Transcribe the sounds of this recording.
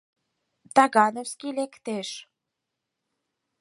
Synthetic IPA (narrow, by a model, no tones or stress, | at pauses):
t̪ɑɣɑnowskilekt̪eʃ